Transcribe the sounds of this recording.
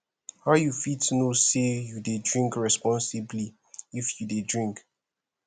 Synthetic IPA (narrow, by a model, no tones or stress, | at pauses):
haʊjufitnosejudedɹĩŋkɹɛspɔ̃nsibli | ifjudedɹĩŋk